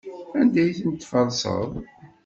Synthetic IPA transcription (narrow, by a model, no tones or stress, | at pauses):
ænd̪æjθənt̪ːfɑɾˤsə̰ðˤ